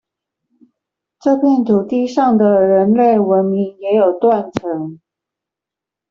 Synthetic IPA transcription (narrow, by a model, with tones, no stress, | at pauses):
ʈ͡ʂɤ˥˧pʰjɛ˥˩nt̪ʰu˨˩t̪i˥˧ʂɑ˥˩ŋd̪ə˩ɻə˧˥nle˥˩ɪwə˧˦˥nmi˧˥ŋjɛ˧˥jo˨˩ʊt̪wa˥˩nʈ͡ʂʰɤ˧˥ŋ